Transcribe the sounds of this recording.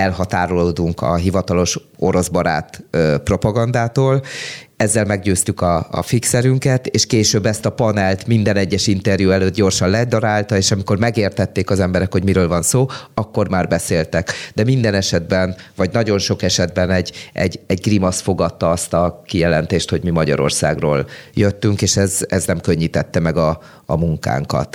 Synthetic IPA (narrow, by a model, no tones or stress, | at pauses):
ɛlɦɒt̪aːɾoloːd̪uŋkʰɒ̰ɦivɒt̪ɒlo̞ʃ | o̞ɾo̞zbɒɾa̰ːt̪øpro̞pɒɡɒnd̪aːt̪oːlɛzːɛlmɛɡɟøːst̪ykɒɒ̰fiksɛɾyŋkɛt̪eːʃkeːʃøːbːɛst̪ɒpɒnɛlt̪mind̪ɛnɛɟːɛʃint̪ɛrjuɛløːt̪̚ɟo̞rʃɒnlɛd̪ɒɾaːlt̪ɒeːʃɒmiko̞rmɛɡeːrt̪ɛt̪ːeːkɒzɛmbɛɾɛkho̞ɟmiɾøːlvɒnsoːɒkːo̞rmaːrbɛseːlt̪ɛkd̪ɛmind̪ɛnɛʃɛd̪̚bɛnvɒɟnɒɟo̞nʃo̞kɛʃɛd̪̚bɛnɛɟːɛ̰ɟːɛɟɡrimɒsfo̞ɡɒt̪ːɒɒst̪ɒkijɛlɛn̪t̪eːʃt̪ho̞ɟmimɒɟɒ̰ɾo̞̰rsa̰ːɡro̰ːljøt̪ːyŋkeːʃɛzɛznɛmkø̞ɲːit̪ɛt̪ːɛmɛɡɒː | muŋka̰ːŋkɒ̰t̪